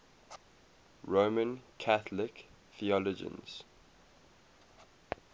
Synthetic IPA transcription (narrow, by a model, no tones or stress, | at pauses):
ɹoːmə̃nkʰaθlɪk | θiɔlɔd͡ʒə̰̃nz̥